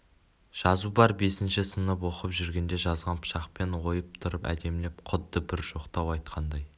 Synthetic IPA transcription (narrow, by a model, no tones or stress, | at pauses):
ʒ̥ɑzubɑɾbe̞sɪnʃɪsənəp̬wo̞qəpʒʏɾɡʲe̞nd̪e̞ʒɑzʁɑnpʰʃɑqpe̞nwo̞jəp̚t̪ʰʊɾəpæ̰d̪e̞mle̞pqʰʊd̪ːəbɪɾʒo̞qt̪ɑwɑjt̪qʰɑnd̪ɑj